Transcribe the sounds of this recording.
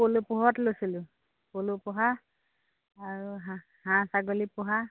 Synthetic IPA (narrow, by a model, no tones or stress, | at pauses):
polupʊɦɔtlojsilʊ | kolupɔɦa | aɹuɦã | hãsaɡolipɔɦa